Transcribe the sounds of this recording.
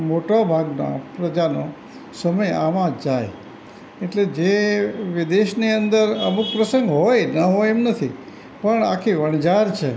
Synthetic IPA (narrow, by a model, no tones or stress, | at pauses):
moʈabʱaɡna̰pɾəd͡ʒano | səməjaʋãd͡ʒaj | eʈled͡ʒeʋid̪eʃniənd̪əɾəmuk̚pɾəsəŋɡɦojnəɦojemnət̪ʰi | pəɳa̰kʰiʋəɳd͡ʒaɾt͡ʃʰe